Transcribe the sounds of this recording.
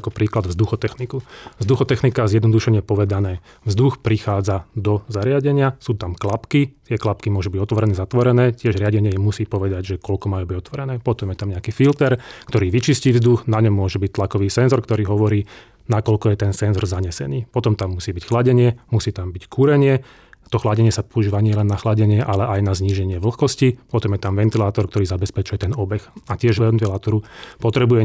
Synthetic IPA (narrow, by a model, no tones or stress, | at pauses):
kɔpɾiːklad̪vzd̪uxɔt̪ɛxnikuvzd̪uxɔt̪ɛxnikazjɛd̪nɔd̪uʃɛɲɪɛpɔʋɛd̪anɛː | vzd̪uxpɾixaːd͡zad̪ɔzaɾɪaɟɛɲɪasuːt̪amklapkit̪ɪɛklap̚kimʊɔʒubiɟɔt̪ʋɔɾɛnɛːzat̪ʋɔɾɛnɛːcɪɛʒɾɪaɟɛɲɪɛmusiːpɔʋɛd̪aɟʒɛkɔlkɔmajuːbiɟɔt̪ʋɔɾɛnɛːpɔt̪ɔmjɛt̪amɲɛakiːfilt̪ɛɾkt̪ɔɾiːʋit͡ʃisciːvzd̪uxnaɲɔmːʊɔʒɛbic̚t̪lakɔʋiːsɛnzɔɾkt̪ɔɾiːɦɔʋɔɾiː | nakɔʎkɔjɛt̪ɛnsɛnzɔɾzaɲɛsɛ̰niːpɔt̪ɔmt̪amːusiːbicxlaɟɛɲɪɛmusiːt̪ambickuɾɛɲɪɛ | t̪ɔxlaɟɛɲɪɛsapɔuʒiːʋaɲɪɛlɛnːaxlaɟɛɲɪɛʔalɛʔajnazɲiːʒɛɲɪɛʋl̩xkɔscipɔt̪ɔmjɛt̪amʋɛnt̪ilaːt̪ɔɾkt̪ɔɾiːzabɛspɛt͡ʃujɛt̪ɛnɔbɛxacɪɛʒɛʋɛnt̪ilaːt̪ɔɾupɔt̪ɾɛbujɛ